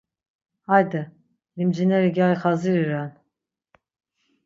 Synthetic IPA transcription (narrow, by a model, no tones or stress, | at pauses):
hajd̪ɨ | limd͡ʒinɛɾiɡajxaziɾiɾan